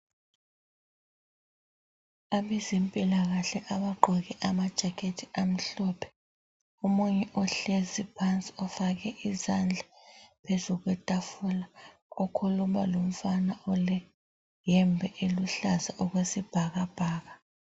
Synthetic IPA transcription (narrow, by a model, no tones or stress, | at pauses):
aβɛzimpʼilaɣaɬɛʔaβaɡ͡ǃʱɔɣɛʔamad̥ʒ̥ʱakʰetʰiam̩ɬɔpʰɛ̥ | omuɲɛʔɔɬezipʰant͡sʼi̥ɔfaɣɛʔizand͡ɮʱapʰezuɣwɛtʼafula | ɔkʰulumalom̩fanaɔlɛ | jɛmbʱɛʔeluɬazaʔɔɣwesib̥ʱaɣab̥ʱaːɣa